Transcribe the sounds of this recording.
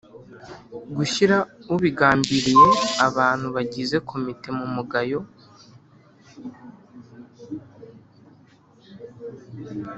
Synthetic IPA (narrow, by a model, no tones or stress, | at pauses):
ɡuʃiɾauβiɡaːmbiɾije̞aβaːn̥huβaɟize̞kʰo̞mite̞mumuɡajo̞